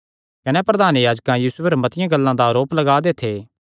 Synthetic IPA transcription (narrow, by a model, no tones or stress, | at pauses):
kɐnepɾɐd̪ʱaːnjaːd͡ʒkãjiːsʊɐɾmɐt̪ɪjãɡɐlːãd̪aɐɾoːplɐɡaːd̪et̪ʰe